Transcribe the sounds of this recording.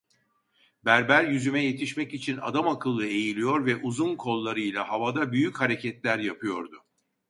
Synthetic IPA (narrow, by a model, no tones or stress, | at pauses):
bæɾbæɾjyzymɛje̞t̪ʰiʃmɛcit͡ʃʰina̰d̪amakʰɯlˠːɯe̞jilʲijo̞ɾvɛʔuzunkʰo̞lˠːaɾɯjlʲˠaɦavad̪abyjychaɾe̞cʰɛt̪lʲæɾjapʰɯjo̞ɾd̪ʊ